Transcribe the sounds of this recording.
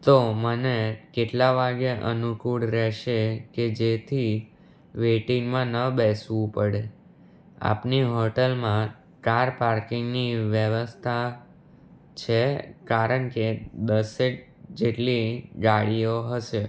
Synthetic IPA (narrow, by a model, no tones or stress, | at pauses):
t̪omənekeʈlaʋaɡeʔənukuɽɾɛʃeked͡ʒet̪ʰi | ʋeʈiŋɡmãnəbɛsʋũpəɽe | a̰pniɦoʈəlmã | kaɾpaɾkɪŋɡniʋjəʋəst̪ʰa | t͡ʃʰekaɾəɳked̪əseʈ | d͡ʒeʈliɡaɭijoɦəʃe